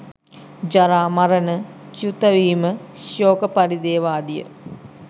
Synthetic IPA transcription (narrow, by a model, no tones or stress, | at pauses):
d͡ʒaɾaːmɐɾənə | t͡ʃut̪əʋiːməsjoːkəpaɾid̪eːʋaːd̪ijə̰